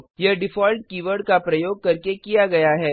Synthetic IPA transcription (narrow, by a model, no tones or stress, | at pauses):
jɐɖɪfʰɔːlʈ̚kiːʋəɾɽkapɾɐjoːɡ̚kɐɾkekijaɡɐjaɦɛː